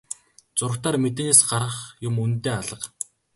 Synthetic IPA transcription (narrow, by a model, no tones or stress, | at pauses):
t͡sʊrkt̪aːrmet̪neːsɢaɾʁə̆χjʊmunt̪eːaɮə̆q